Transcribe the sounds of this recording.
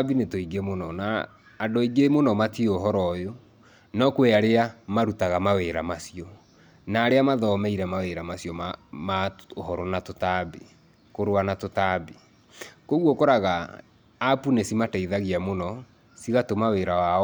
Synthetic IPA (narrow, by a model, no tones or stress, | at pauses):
binetoiɡemonɔnaː | ndoiɡemonɔmatioɦɔɾɔjo | nɔkweaɾeamaɾutaɣamaweɾamasiɔ | naːɾeamaðɔmɛiɾɛmaweɾamasjɔmmaoɦɔɾɔnatotabi | koɾowanatotabi | koɣwɔkoɾaɣaː | punesimataiðaɣiamonɔ | siɣatomaweɾawa